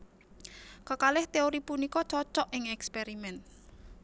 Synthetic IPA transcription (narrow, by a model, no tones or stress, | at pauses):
kəkalɪht̪eoɾipunikɔt͡ʃɔt͡ʃɔʔɪŋɛkspeɾimɛn